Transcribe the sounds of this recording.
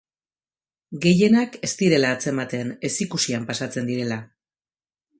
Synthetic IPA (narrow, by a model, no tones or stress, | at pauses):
ɡe̞je̞nake̞st̪iɾe̞laːt͡se̞mat̪e̞ne̞sikusiampasat͡se̞nd̪iɾe̞la